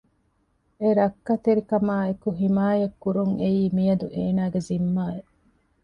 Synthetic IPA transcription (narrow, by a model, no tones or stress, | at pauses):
eɾɐkːɐt̪eɾikɐmaːekuɦimaːjɐkːuɾuŋeiːmijɐd̪uʔeːnaːɡezimːaːeʔ